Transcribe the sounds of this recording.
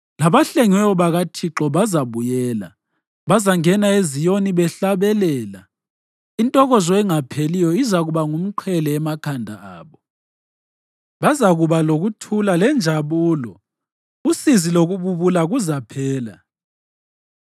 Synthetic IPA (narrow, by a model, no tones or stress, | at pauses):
laβaɬeŋwɛɔβaɣatʰiǁɔβazaβujɛːla̰ | βazaŋɛnaezijoniβɛɬaβɛlɛːla | intʼɔɣɔzɔɛŋapʰelijɔizaɣuβaŋum̩ǃʰɛlɛːmakʰandʱa̰aːβɔ | βazaɣuβaloɣutʰulalɛnd͡ʒʱaβuːlɔ | usiziloɣuβuβulaɣuzapʰɛːla̰